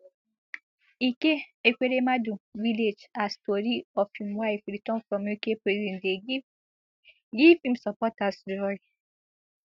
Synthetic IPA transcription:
ikeekʷeɾemãdũviled͡ʒastɔɾiɔfĩmwaifɾitɔ̃nfɹɔ̃mjokepɾɛzidɛ̃nde | ɡifĩmsapɔtasdɔɾi

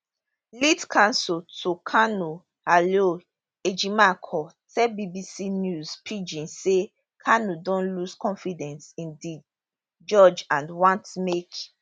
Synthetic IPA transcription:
litkʰãnsultʰukʰanu | halo | ed͡ʒimakʰɔ | tʰɛbibisinjuzpʰid͡ʒĩnse | kʰanudɔ̃nluskɔ̃nfidɛ̃nsĩndi | d͡ʒɔd͡ʒãnwãntmek

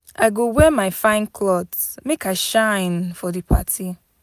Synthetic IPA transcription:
ajɡowɛmaɪfãɪ̃nkʰlɔdmekaɪʃãɪ̃nfɔdipʰa̰tʰi

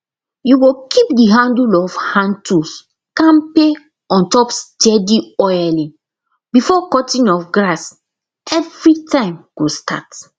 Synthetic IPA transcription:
juɡokʰip̚diɦãndulɔfhãntus | kãmpe | ɔ̃ntɔpsd͡ʒɛdiɔjalĩ | bifɔkɔtĩnɔfɡɹas | ɛvɹitãɪ̃mɡ̥ostat

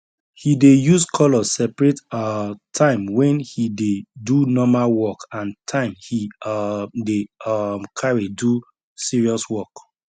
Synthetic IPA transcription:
hidejuskʰɔlɔsɛpɹɛttʰãɪ̃mwɛ̃nhidedunɔmalwɔkãntʰãɪ̃mhi | deɔmkʰaɹidu | siɹiɔswɔk

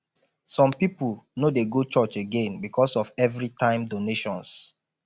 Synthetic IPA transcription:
sɔ̃mpipulnodeɡot͡ʃɔt͡ʃeɡẽnbikʰɔsɔfɛvɹitʰãɪ̃mdoneʃɔ̃ns

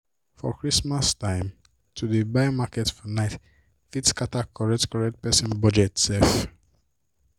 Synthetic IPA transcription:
fɔ̰kʰɹismastãɪ̃m | tʰudebajmakɛtfɔnaɪt | fitskatakʰɔɹɛk̚tkɔɹɛk̚t̚pɛsɔ̃nbɔd͡ʒɛtsɛf

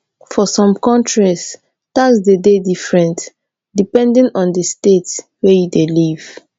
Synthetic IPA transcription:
fɔsɔ̃mkɔ̃ntɹis | tasdededifɹɛ̃nt | dipɛ̃ndĩnɔ̃ndəstetswɛjudeliv̥

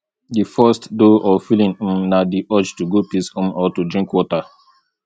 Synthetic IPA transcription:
difɔstdoʔɔfilĩn̩nadiʔɔd͡ʒtuɡopisõmɔtudɹĩŋkwɔta

